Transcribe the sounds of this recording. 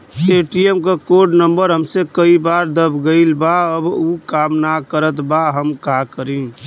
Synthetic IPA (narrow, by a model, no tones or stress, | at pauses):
eːʈiemkakoɾɖnəmbəɾɦəmsekəibaːɾd̪əbʱɡəɪlbaəbukaːmnakəɾət̪baɦəmkakəɾĩ